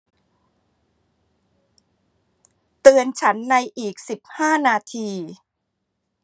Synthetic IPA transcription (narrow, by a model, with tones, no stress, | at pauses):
t̪ɯ˧ənt͡ɕʰa˦˥nːa˧jʔiː˨˩k̚si˨˩p̚haː˥˩naː˧t̪ʰiː˧